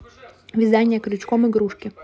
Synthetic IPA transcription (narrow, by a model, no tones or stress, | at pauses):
ʋʲid̪ɑnʲːɐkɾʲʊt͡ʃkɔmɪɡɾuʃkʲɪ